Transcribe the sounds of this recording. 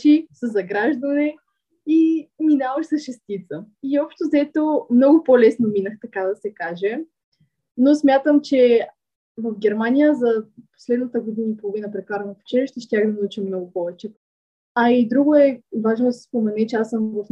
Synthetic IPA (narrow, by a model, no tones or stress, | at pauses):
ʃisəzɐɡɾaʒd̪ɐnɛ | iminavəʃsɐsʃɛst̪it̪səiɔpʃt̪ozɛt̪omnɔɡʊpolɛsnominəxt̪ɐkad̪ɐsɛkaʒɛ | nosmʲjat̪əmt͡ʃɛ | vəfɡʲɛɾmanʲijəzɐpo̥slɛd̪nət̪əɡod̪inəipolˠovinəpɾɛkaɾnɐpɛ̥t͡ʃɛliʃt̪ɛʃt̪ʲaɡinɐut͡ʃɛmnɔɡʊpɔvɛt͡ʃɛ | ɐid̪ɾuɡoɛvaʒnod̪ɐsɛ̥spomɛnɛt͡ʃɛasəmvɐf